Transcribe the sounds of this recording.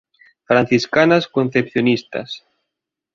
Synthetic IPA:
fɾan̟θiskanaskon̟θepθjonist̪a̰s

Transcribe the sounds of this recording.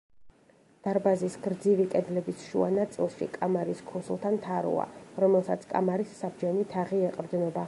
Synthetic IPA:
d̪̥aɾbazisɡɾd̪zivikʼɛd̪lɛbisʃṵa̰nat̪sʼilˠʃḭkʼamaɾiskʰuslˠt̪ʰant̪ʰaɾṵa̰ɾɔmɛlˠsat̪sʰkʼa̰maɾisːabd͡ʒɛnit̪ʰaʁiɛqʼɾd̪nɔb̪a

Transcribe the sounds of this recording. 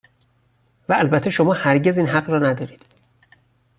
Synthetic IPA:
væːlbæt̪ʰːe̞ʃo̞mɒːhæɾɟe̞ziːnɦæɡɾɒːnæd̪ɒːɾiːd̪̥

